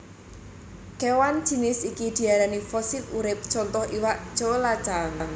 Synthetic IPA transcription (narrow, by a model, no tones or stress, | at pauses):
kewand̥d͡ʒ̥i̤nɪsikid̪̥i̤aɾanifɔsit̪uɾɪp̚t͡ʃɔnt̪ɔhʔiwaʔd̥ʒ̥olat͡ʃaŋŋ